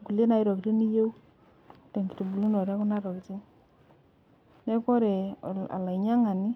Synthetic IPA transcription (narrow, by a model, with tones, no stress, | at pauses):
ku˨le˦na˨˦i˦ɾo˨ki˨ɾi˦ni˦je˦u˦ | tɛ˨ŋki̥˨tu˨bu˨lu˦no˨ɾa˦ku˦na˦ɾɔ˨ki˨ti˦ŋ | nɛ˦kɔ˦ɾɛ˨a̰˨la˨i˨ɲa˦ŋa˨ni˦